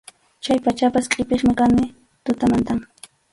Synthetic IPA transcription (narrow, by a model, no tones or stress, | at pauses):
t͡ʃajpat͡ʃapasqʼɪpeχmɪkanɪ | t̪ʊt̪amant̪aŋ